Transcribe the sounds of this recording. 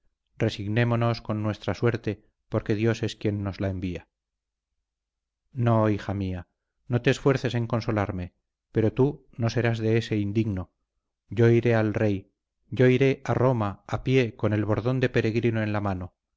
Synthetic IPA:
rre̞siɣne̞mo̞no̞sko̞nːwe̞st̪ɾaswe̞ɾt̪e̞ | po̞ɾke̞ðjo̞se̞skje̞nːo̞zlaembia | no̞ixamia | no̞t̪e̞ːsfwe̞ɾθe̞se̞ŋko̞nso̞laɾme̞ | pe̞ɾo̞t̪u | no̞se̞ɾazðe̞ese̞ind̪iɣno̞ | ɟ͡ʝo̞iɾe̞alre̞j | ɟ͡ʝo̞iɾe̞ʔaro̞maapje̞ko̞ne̞lβo̞ɾðo̞nd̪e̞pe̞ɾe̞ɣ̞ɾinoe̞nlamano̞

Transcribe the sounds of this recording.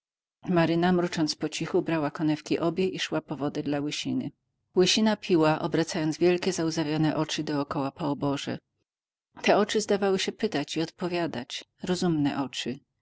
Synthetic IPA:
maɾɘnamɾut͡ʂɔnt̪spɔt͡ɕixubɾawakɔnɛfkʲiʔɔbʲjɛʔiʂwapɔvɔd̪ɛd̪lawɘɕinɘ̰ | wɘɕinapʲiwaʔɔ̰bɾat̪sajɔnzvʲjɛlkʲɛzauzavʲjɔnɛʔɔt͡ʂɘd̪ɔːkɔwapɔɔbɔʐɛ̰ | t̪ɛɔt͡ʂɘzd̪avawɘɕɛpɘt̪at͡ɕiɔt̪pɔvʲjad̪at͡ɕ | ɾɔzumnɛʔɔt͡ʂɘ

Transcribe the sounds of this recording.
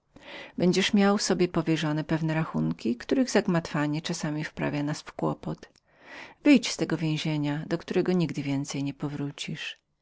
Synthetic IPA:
bɛɲd͡ʑɛʂmʲjawfsɔbʲjɛpɔvʲjɛʐɔnɛpɛvnɛɾaxuŋkʲikt̪uɾɘɣzaɡmat̪faɲɛt͡ʂasamʲifpɾa̰vʲjanasfkwɔ̰pɔt̪ | vɘjt͡ɕst̪ɛɡɔvʲjẽw̃ʑeɲad̪ɔkt̪uɾɛɡɔɲiɡd̪ɘvʲjɛnt̪sɛjɲɛpɔvɾut͡ɕiʂ

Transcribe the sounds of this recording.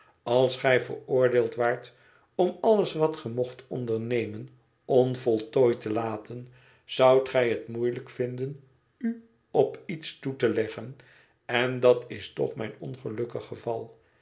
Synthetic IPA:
ɑlˠsχɛjvə̰ɹʊːɹdeɪːlˠtʋaːɹt | ɔmɑləsʋɑtχəmɔχtɔndəɹnejmən | ɔnvɔlˠtoːjtəlaːtən | z̥ʌwtχɛjɦətmujləkfɪndən | y | ɔpitstutəlɛχən | ɛndɑtɪstɔ̰χmɛ̰jnɔnχəlɵkəχəvɑlˠ

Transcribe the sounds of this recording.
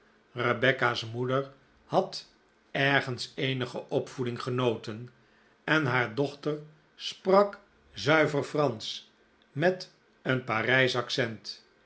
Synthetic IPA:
rəbɛkasmudəɹ | hɑt | ɛɹχənsejnəχəʔɔpfudɪŋχənowtən | ɛnɦaːɹdɔχtər | sprɑk | zœɥvəɹfrɑns | mɛt | ənparɛjsɑksɛnt

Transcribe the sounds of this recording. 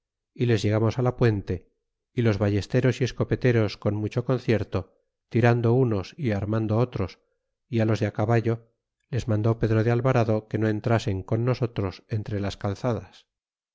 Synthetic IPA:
ile̞zʝe̞ɣ̞amo̞salapwe̞nt̪e̞ | ilo̞zβaʝe̞st̪e̞ɾo̞sie̞sko̞pe̞t̪e̞ɾo̞sko̞nmut͡ʃo̞ko̞n̟θje̞ɾt̪o̞ | t̪iɾand̪o̞uno̞siaɾmand̪oot̪ɾo̞s | ialo̞zðeakaβaʝo̞ | le̞zmãnd̪o̞pe̞ðɾoð̞ealβaɾaðo̞ke̞no̞e̞nt̪ɾase̞ŋko̞nːo̞so̞t̪ɾo̞se̞nt̪ɾe̞laskalθað̞as

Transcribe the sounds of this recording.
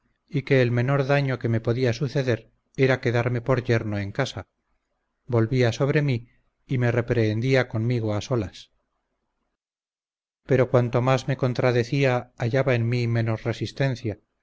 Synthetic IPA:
ike̞ːlme̞no̞ɾðaɲo̞ke̞me̞po̞ðiasuθe̞ðe̞ɾ | e̞ɾake̞ðaɾme̞po̞ɾʎe̞ɾnoe̞ŋkasa | bo̞lβiaso̞βɾe̞miː | me̞re̞pɾe̞ːnd̪iako̞nmiɣ̞oaso̞las | pe̞ɾo̞kwant̪o̞mazme̞ko̞nt̪ɾaðe̞θiaːʝaβaenmime̞nosre̞sist̪e̞n̟θja

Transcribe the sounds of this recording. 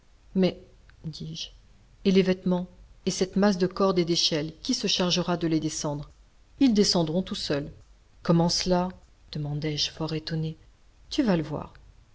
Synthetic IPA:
mɛ | d̪iʒ | elevɛt̪mɑ̃esɛt̪mas̬d̪əkɔʁd̪ed̪eʃɛlkʲisəʃaʁʒəʁad̪əled̪esɑ̃d̪ʁ | ild̪esɑ̃d̪ʁɔ̃t̪usœl | kɔmɑ̃səla | d̪̥əmɑ̃d̪ɛʒfɔʁet̪ɔne | t̪yvaləvwa̰ːʁ

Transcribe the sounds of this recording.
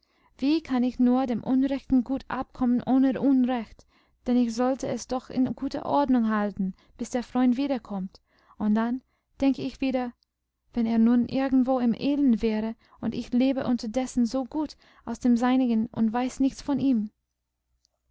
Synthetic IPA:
v̥iːkʰanɪçnuːɐdeːmʔʊnʁɛçtn̩ɡuːtʔa̰p̚kʰɔmənʔoːnəʔunʁɛçt | d̥ɛnɪçz̥ɔltəɛsd̥ɔxɪ̰nɡ̥uːtɐ̰ʔɔɐdnʊŋɦaltn̩ | b̥ɪsd̥eːɐfʁ̥ɔʏntv̥iːɾɐkʰɔmt | ʊnt̚d̥an | d̥ɛŋkəɪçv̥iːɾɐ | v̥ɛneːɐnuːnʔɪɐɡŋ̩tv̥oːɪmʔeːlənvɛːʁə | ʊntɪçleːbəʔʊntɐdɛsn̩zoːɡuːt | ʔaʊsd̥eːmzaɪnɪɡənʔʊ̰ntvaɪsnɪçt͡sfɔniːm

